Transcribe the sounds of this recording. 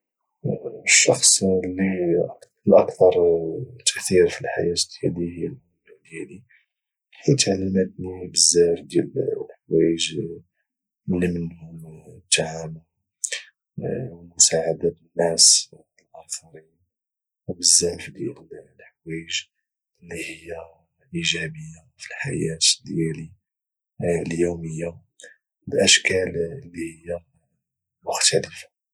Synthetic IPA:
ʃːɑxsˤlːik | lʔɑkt̪ɑɾˤt̪ːəʔθiɾfilħa̰jæt̪d̪jædihjl | d̪jæli | ħit̪ʕalːəmət̪nibəzːæfd̪jællħawæjəʒ | lːimənhʊmt̪ːaʕam | wmʊsaʕad̪abənːæs | əlʔɑnfɑɾi | bəzːæfd̪jælllħwæjəʒ | lːihəjːa | ʔiʒæbəjːa | filħajæt̪d̪jæli | ljuməjːa | bəlʔæʃkæləlːihəjːa | mʊxt̪æləfḁ

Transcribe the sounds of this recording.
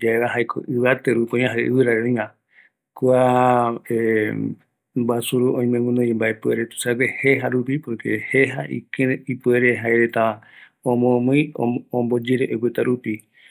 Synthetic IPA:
d͡ʒaeβaɦajkʰo̰ʔɨʋat̪eɾukoɲ̃ãɦaʔɨ̰βɨɾaɾeõjã | kuae | basuɾuʔõĩmẽŋũnõembaepueɾet̪u̥saweheɦaɾupipoɾkeheɦaʔḭkeipueɾeɦaeɾet̪a | õmõmɨ̃j̃o̰õmbod͡ʒeɾeʔowet̪aɾupi

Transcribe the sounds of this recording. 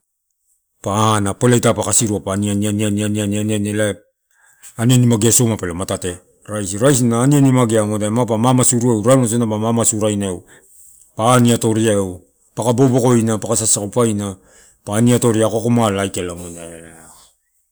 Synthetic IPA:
panapelajtapakasiɾuapanianiananianianianianela | anianimaɡiasomapelematate | ɾajsiɾajs̬inaːnianimaɡeaŋodaemapamamasuɾuewɾanas̬onapamamasuɾajnaew | paniato̞ɾiaew | pakabo̞bo̞ko̞jnapakasasakupajna | paːniato̞ɾiakokomalajkelaŋona

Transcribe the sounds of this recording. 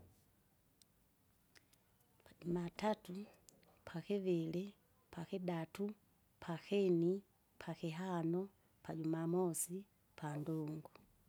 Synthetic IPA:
pʰaɟumatatu | pʰakɛvɛlɛ | pʰakɛdatu | pʰakɛni | pʰakɛɦanɔ | paɟumamɔsi | pʰandɔŋɡu

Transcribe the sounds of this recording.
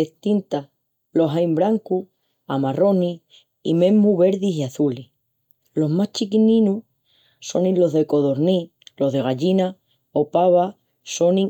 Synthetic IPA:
eht̪int̪a | lo̞ɦajmbɾaŋku | amaro̞ni | imẽ̞muβe̞ɾðisiaθuli | lo̞ɦmaht͡ʃikinĩnu | so̞nĩlo̞ɦðe̞ko̞ðo̞ɾni | lo̞ɦðe̞ɣaʎina | opaβa | so̞ni

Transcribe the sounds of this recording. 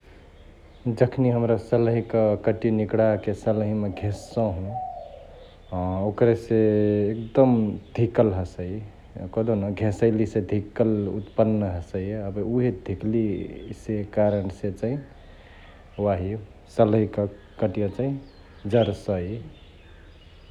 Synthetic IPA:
d͡ʒəkʰniɦəmɾasəlɦikəkəʈinikɽakesəlɦimeɡʱẽsːɔ̃ɦũ | okɾeseek̚d̪əmd̪ʱikəlɦəsəj | kəd̪onoɡʱẽsəɪlised̪ʱikːəlṵt̪pənːəɦəsəjəbuɦed̪ʱiklisekaɾənset͡ʃaĩ | waɦi | səlɦikə | kəʈijət͡ʃaĩ | d͡ʒəɾsəj

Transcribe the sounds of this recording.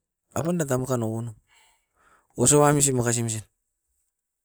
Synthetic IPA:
a̰pandatamukanoɡunu | osoβamis̬imakas̬ims̬in

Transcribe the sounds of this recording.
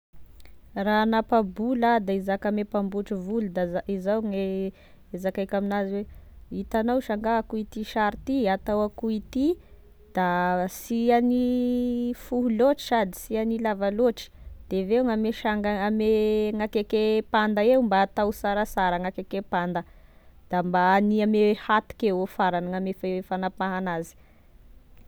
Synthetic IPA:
ranapabulad̪aizakamepambuʈ͡ʂivulud̪azaizawŋe | ezakajkʲaminaziweit̪anawʃaŋɡaakuit̪iʃaɾit̪iat̪awakuit̪i | d̪̥asiani | fuɦuloʈ͡ʂi̥zad̪isianilavaloʈ͡ʂi̥d̪̥evewŋameʃaŋɡaameŋakekepand̪aewmbaːt̪awsaɾasaɾəŋakekepand̪əd̪̥ambaːniamehat̪u̥kewofaɾanəŋamefaefanapaɦanazi̥

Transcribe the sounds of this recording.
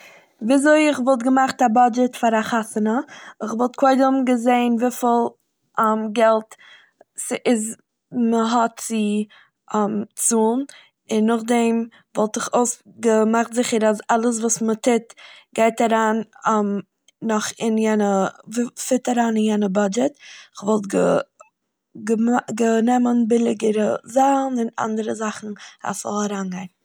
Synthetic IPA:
viːzoɪɪχvɔlˠt̬ɡəmaχtabad͡ʒɛtfaɾaχasənəɪχvɔlˠt̚kʰoɪdəmɡəzeɪnviːfɪlˠ | mɡɛlˠt | sʔɪz | məɦɔtt͡sɪ | mt͡suːlˠn | ɪnːʊχdɛm | vɔlˠtɪχoʊsɡəmaχtzɪχəɾasalˠəs̬vuːsmətʰɪtɡ̥aɪtaɾaːnmː | ɔχɪnjɛnə | fɪtaɾaːnɪnjɛnəbad͡ʒɛtɪχvɔlˠtɡə | ɡəɡənɛmənbɪlˠɪɡəɾəzanɪna̰ndəɾəzaχn̩a̰svɔ̰lˠaɾaːnɡaɪn

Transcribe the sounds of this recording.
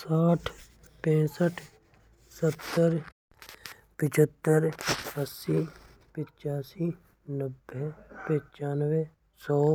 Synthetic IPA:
saːʈʰ | pɛ̃ːsəʈʰ | sət̪ːəɾ | pɪt͡ʃʰət̪ːəɾəsːi | pɪt͡ʃaːsi | nəbːepɪ̃t͡ʃaːnwe | sɔː

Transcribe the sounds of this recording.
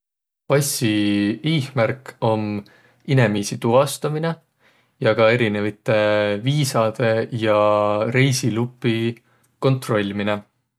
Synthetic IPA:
pɑsiiːhmæɾko̞m | ine̞miːsit̪uɦɑst̪ɑmine | jɑɡ̥ɑe̞ɾinevit̪ːˑe̞viːsɑd̪̥e̞jɑɾe̞jsilupːˑi | ko̞nt̪ro̞lʲːmine

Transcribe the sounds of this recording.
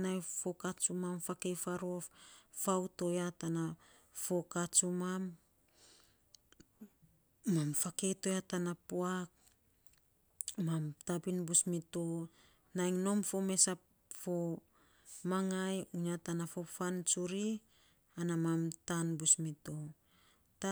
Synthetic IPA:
najfo̞kat͡ʃumamfake̞jfaɾoffawto̞jatana | fo̞kat͡ʃumam | amfake̞jto̞jatanapuak̚ | mamtabinbusmito | najŋno̞mfo̞me̞sap̚ | fo̞ | maŋajuɲatanafo̞fant͡ʃuɾi | anamamtanbusmito | ta

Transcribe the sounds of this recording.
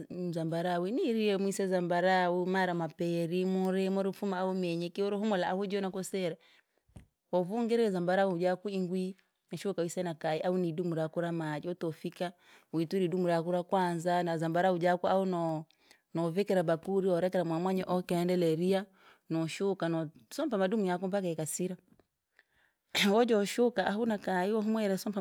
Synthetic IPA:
zambaɾawiniɾiɛmwisɛzambaɾaumaɾamapɛɾimɔɾɛmɔɾifumaːumɛɲɛkiɔɾɔhɔmɔlaːhud͡ʒɔnakɔsɛɾa | wɔvuŋɡɛɾɛɛzambaɾaud͡ʒakuiŋɡwi | naʃukawisanakaiʔaunidumuɾakuɾamad͡ʒiɔtɔfika | wituɾidumuɾakuɾakwanzanazambaɾaud͡ʒakuaunɔ | nɔvɛkɛɾabakuɾiwɔɾɛkɛɾamwamwaɲɛʔɔkɛɛndɛlɛɾia | nɔʃukanɔsɔmpamadumujak̬umpakaɛkasiɾa | wɔd͡ʒɔʃukaʔaɦunakaiwɔɦumwɛɾɛsɔmpa

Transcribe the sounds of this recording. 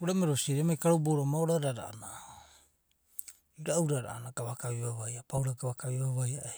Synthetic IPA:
uɾameɾosiɾemajkaɾoboɾamaoɾaɾaɾa̰a̰na | iɾauɾaɾa̰anaɡaβakaβiβaβajapawɾaɡaβakaβiβaβajae

